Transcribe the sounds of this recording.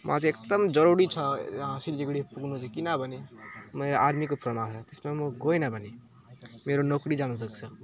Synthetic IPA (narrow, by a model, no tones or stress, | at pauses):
m̰ad͡ʒek̚d̪əmd͡ʒʌɾuɽit͡ʃʰʌ̃sileɡɽipuɡʱnut͡ʃʰʌkinabʌnemeɾad̪mikopɾəmanɦet̪esmemoɡojnabʱəne | meɾonokɾid͡ʒanus̬əkt͡sʰʌ